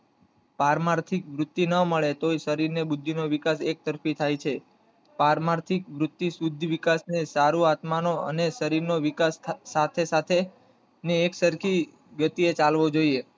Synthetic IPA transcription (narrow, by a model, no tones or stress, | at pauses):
paɾmaɾt̪ʰikʋɾʊt̪ːjinəməɭet̪oisəɾiɾnebʊd̪ʱːinoʋɪkasek̚t̪əɾfit̪ʰajt͡ʃʰe | paɾmaɾt̪ʰikʋɾʊt̪ːisud̪ʱːʋɪkasnesaɾuat̪manoə̰nesəɾiɾnoʋikasːat̪ʰesat̪ʰe | niːksəɾkʰi | ɡət̪iet͡ʃalʋod͡ʒoie